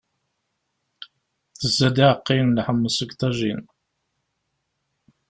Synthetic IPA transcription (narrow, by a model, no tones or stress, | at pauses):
θəzːæd̪iʕəqːinlħəmːəsəɡt̪ɑʒin